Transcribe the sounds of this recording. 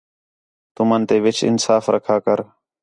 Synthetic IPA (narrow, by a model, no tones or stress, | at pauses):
t̪ʊmənt̪eːʋɪt͡ʃɪ̰nsaːfɾəkʰaːkəɾ